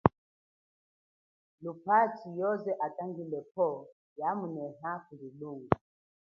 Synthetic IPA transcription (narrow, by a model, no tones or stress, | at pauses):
lupat͡ʃijɔzɛʔatʼaŋɡilɛpɔ | jamunɛɦakuliluŋɡu